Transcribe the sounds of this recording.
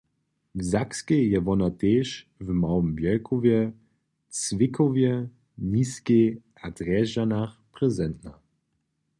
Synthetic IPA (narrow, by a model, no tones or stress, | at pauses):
vzakskejɛvɔnat̪eːʃvmawəmvjɛlkʰɔvjɛ | t͡svɪkɔvjɛ | nʲiːskeʔad̪rɛʒanaxprɛzɛnt̪na